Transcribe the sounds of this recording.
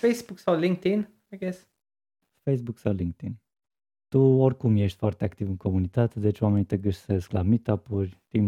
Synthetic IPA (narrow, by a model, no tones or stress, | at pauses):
fejsbuksawlĩŋk̚t̪in | ajɡes | fejsbuksawliŋk̚t̪in | t̪uorkumjeʃt̪ʲfoart̪eakt̪ivɨŋkʰo̞munit̪at̪e̞d̪e̞t͡ʃwame̞nit̪e̞ɡəʃsesklamit̪apurʲt̪im